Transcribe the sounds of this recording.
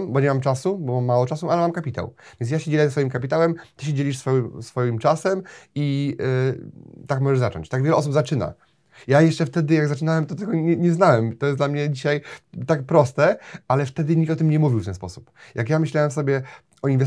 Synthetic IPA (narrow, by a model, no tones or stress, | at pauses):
mbɔɲɛmamt͡ʂasubɔmamːawɔt͡ʂasualɛmamkapʲit̪a̰wv̥ʲjɛns̬jaɕed͡ʑelʲiɛzɛsfɔjimkapʲit̪awɛmt̪ɔɕ̬ed͡ʑelʲiʂsfɔmsfɔjimt͡ʂasɛmi | t̪akmɔʐɛʐzat͡ʂɔ̰ɲt͡ɕt̪aɡvʲɛlɛʔɔs̬ubzat͡ʂɘna̰ | jajɛʂt͡ʂɛft̪ɛd̪ɘjaɡzat͡ʂɘnawɛmt̪ɔt̪ɛɡɔɲɛɲɛznawɛmt̪ɔjɛsd̪lamɲɛd͡ʑiɕajt̪akpɾɔst̪ɛalɛft̪ɛd̪ɘɲikt̪ɔt̪ɘmɲɛmuvʲiwft̪ɛnspɔsu̥pjakjamɘɕlawɛmfs̬ɔbʲjɛ | ɔinvɛ